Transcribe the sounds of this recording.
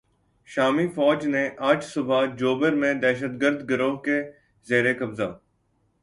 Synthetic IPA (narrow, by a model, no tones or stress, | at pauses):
ʃaːmiːfɔːd͡ʒneʔaːt͡ʃsʊbʱad͡ʒoːbəɾmẽːd̪ɛːʃət̪ɡəɾd̪ɡəɾoːɦke | zeːɾekəbza̰ː